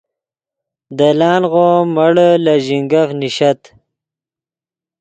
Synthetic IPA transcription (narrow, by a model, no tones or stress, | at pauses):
d̪əlɑːnɣoːməɽlaʑiŋɡɐfniɕɐt̪